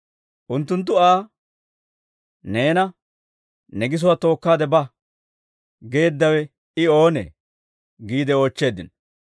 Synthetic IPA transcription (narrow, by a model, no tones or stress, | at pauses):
ʔʊnt̪ːʊnt̪̬ːʊaː | ne̞ːnɐ | nɛɡɪs̬ʊwaːt̪o̞ːkːaːd̪ɛbɐ | ɡe̞ːd̪ːɐwɛ | ɪo̞ːnɛ̰ | ɡiːd̪ɛo̞ːt͡ʃːe̞ːd̪ɪn